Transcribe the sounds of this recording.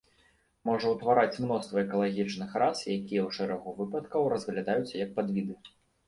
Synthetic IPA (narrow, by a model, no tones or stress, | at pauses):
mɔʐɐwt̪vaɾat͡sʲmnɔst̪vɐɛkɐlˠaɣʲit͡ʂnɨxɾasjakʲijɛwʂɛɾɐɣuvɨpɐt̪kɐwɾɐzɣlʲad̪ajut͡sʲjɐk̚pad̪vʲid̪ɨ